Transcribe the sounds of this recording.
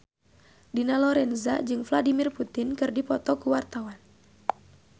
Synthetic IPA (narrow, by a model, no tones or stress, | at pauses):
dinalɔɾɛnzad͡ʒɨŋfladimirput̪ɪnkɨrdipɔt̪ɔkuwart̪awan